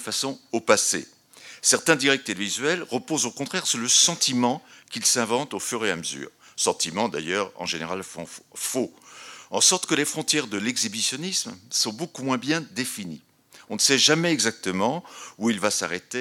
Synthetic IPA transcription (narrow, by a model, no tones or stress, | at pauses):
fasɔ̃opasḛ | sɛʁt̪ɛ̃d̪iʁɛk̚t̪elvizɥɛlʁəpozokɔ̃t̪χɛʁsuʁləsɑ̃t̪imɑ̃kʲilsɛ̃vɑ̃t̪ofyʁeaməzy̰ːʁ | sɑ̃t̪imɑ̃d̪a̰jœʁɑ̰̃ʒeneʁalfɔ̰̃foɑ̰̃sɔʁt̪kəlefχɔ̃t̪jɛʁd̪əlɛɡzibisjɔnismsɔ̃bokumwɛ̃bjɛ̃d̪efinḭ | ɔ̃nəsɛʒamɛːɡzak̚t̪əmɑ̃uilvasaʁet̪e